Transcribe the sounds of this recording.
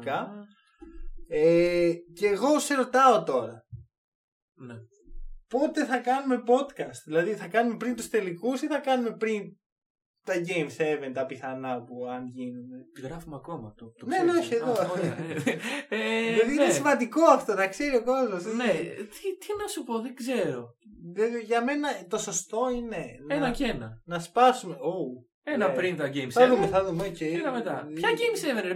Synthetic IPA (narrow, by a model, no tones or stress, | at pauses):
kɐ | eceːɣo̞se̞ɾo̞t̪ɐot̪o̞ɾɐ | n | po̞t̪e̞θɐkɐnume̞po̞t̪kɐst̪ðilɐðiθɐkɐnume̞pɾint̪ust̪e̞likusiθɐkɐnume̞pɾin | t̪ɐʝe̞jmse̞vent̪ɐpiθɐnɐpuɐnʝinend̪eɣɾɐfumɐkomɐt̪ot̪nenoçieðo | jɐðiinnesimɐnd̪iko̞ɐft̪o̞nɐkse̞ɾio̞ko̞zmosint̪it̪inɐsupo̞ðeɡze̞ɾo̞ðɐðoʝɐme̞nɐt̪o̞sost̪o̞ine̞nenɐcenɐnɐspɐsume̞o | enɐpɾint̪ɐɟejmsɐðumeθɐðumeocet̪ɐmet̪ɐçɐɟejmseven